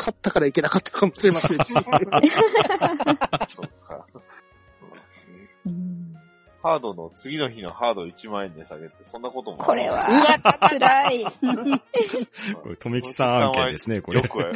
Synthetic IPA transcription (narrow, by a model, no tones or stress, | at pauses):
kʰat̪ːakaɾaike̞akat̪ːḁkamo̞ɕiɾe̞masẽ | so | a̰ | haːd̪o̞nt͡sɨɡʲino̞çino̰haːd̪oit͡ɕimaẽnd̪esaɡe̞t̪esõ̞nːako̞t̪omo̰oɾeβa̰ɨɾai | koɾt̪ʰomʲikʲi̥sããiad̪esɨneko̞ɾekɯ